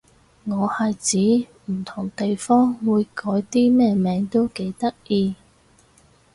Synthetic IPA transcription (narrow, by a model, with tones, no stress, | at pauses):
ŋɔː˨˧hɐ˨jt͡siː˨˥ | m̩˨˩t̪ʰʊ˨˩ŋt̪e˨jfɔː˥ŋwuː˨˧jkɔː˨˥jt̪iː˥mɛː˥mɛː˨˧˥ŋt̪o˥wke˨˥jt̪ɐ˥k̚jiː˧